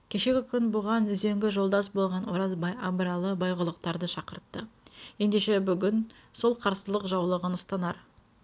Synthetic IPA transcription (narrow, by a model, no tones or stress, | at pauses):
kʲʰe̞ʃe̞ɡʲɪkʲʰʏnbʊʁɑnʏze̞ŋɡʲɪʒo̞lˠd̪ɑsbo̞lˠʁɑnwoɾɑzbɑjɑbɾɑlˠəbɑjʁʊlˠəq̚t̪ɑɾd̪əʃɑqəɾt̪ːəje̞nd̪e̞ʃe̞bʏɡʲɪnso̞lˠqʰɑɾsəlˠəqʒɑwlˠəʁənʊst̪ɑnɑɾ